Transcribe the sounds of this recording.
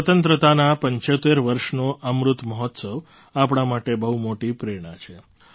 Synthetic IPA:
sət̪ənt̪ɾət̪anapəɲt͡ʃot̪eɾʋəɾʃnoʔəmɾut̪məɦɔt̪səʋ | apɳ̃amaʈebəɦumoʈipɾeɽ̃at͡ʃʰe

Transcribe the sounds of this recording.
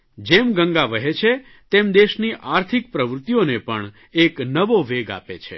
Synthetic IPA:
d͡ʒemɡə̃ŋɡaʋəɦet͡ʃʰe | t̪emd̪eʃniʔaɾt̪ʰik̚pɾəʋɾʊt̪ijonepəɳ | eknəʋoʋeɡa̰pḛt͡ʃʰḛ

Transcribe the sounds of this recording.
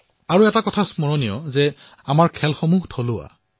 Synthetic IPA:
aɹuɛtakɔtʰasmɔɹɔnijɔ̰zɛ | amaɹkʰɛlxɔmuhtʰolʊa̰

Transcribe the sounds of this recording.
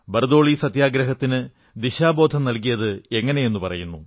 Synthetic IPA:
bɐrd̪o̞ːɭisɐt̪jaːɡɾɐɦɐt̪ːinɨ | d̪iɕaːbo̞ːd̪ʱɐmnɐlkijɐðɨe̞ŋːɐne̞je̞nːupɐrɐ̰junːu

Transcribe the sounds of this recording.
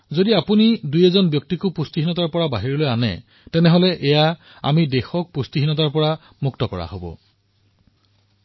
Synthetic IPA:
zodiapunidujɛzɔnbjɔk̚tikʊpustiɦinɔtaɹpɔɹabaɦiɹɔlojanɛ̰ | tɛnɛɦolɛʔɛja | a̰midexɔk̚pustiɦinɔt̬aɹpɔɹa | muktɔkɔɹa̰ɦo̰bɔ̰

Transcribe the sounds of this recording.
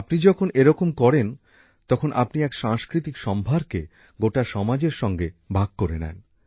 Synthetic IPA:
apnid͡ʑɔkʰoneɾɔkomkɔɾen | t̪ɔkʰonʔa̰pniɛkʃaŋskɾit̪ikʃɔmbʱaɾke | ɡoʈaʃɔmad͡ʑeɾʃɔŋɡebʱaɡ̚koɾenɛ̰n

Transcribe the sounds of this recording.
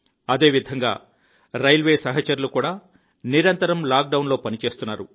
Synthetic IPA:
ɐd̪e̞ːʋid̪ʱɐŋɡa̰ː | ɾɐjlʋe̞ːsɐɦɐt͡ʃɐɾulukuːɽaː | niɾɐnt̪ɐɾɐmlaːk̚ɖɐwnlo̞ːpɐnit͡ʃe̞ːst̪unːaːɾu

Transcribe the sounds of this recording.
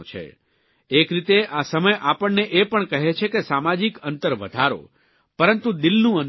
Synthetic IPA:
t͡ʃʰḛ | ekɾit̪eʔasəməjʔapəɳːeʔepəɳkəɦet͡ʃʰekesamad͡ʒikənt̪əɾʋəd̪ʱaɾo̰ | pəɾənt̪ũd̪ɪlnũən

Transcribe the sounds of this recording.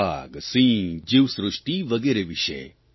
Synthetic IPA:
aːɡsĩːd͡ʒiʋsɾʊʂʈiʋɐɡeːɾeʋiʃḛ

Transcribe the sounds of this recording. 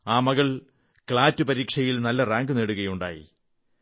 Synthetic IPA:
aːmɐɣɐɭ | kɭaːtːupɐɾiːkʂɐjilnɐlːɐraːŋɡuneːɽuɣɐjuɳɖa̰ːjḭ

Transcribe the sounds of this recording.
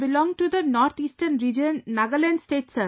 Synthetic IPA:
bilɔ̃ŋʈud̪ənɔɾt̪ʰisʈənɾid͡ʒənːaɡəlɛ̃nɖsʈeːʈsə

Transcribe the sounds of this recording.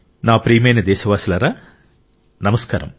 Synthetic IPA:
naːpɾiːmeːnɐd̪eːsɐʋaːsɐlɐɾɐ | nɐmɐskaːɾɐ̰m

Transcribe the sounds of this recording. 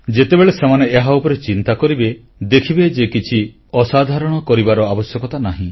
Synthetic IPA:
d͡ʒet̪ebeɭesemaneːɦaupɔɾet͡ʃint̪akɔɾibe | d̪ekʰibed͡ʒekit͡ʃʰi | ɔsad̪ʱaɾɔɽ̃ɔkɔɾibaɾɔabɔsjɔkɔt̪anaɦĩ

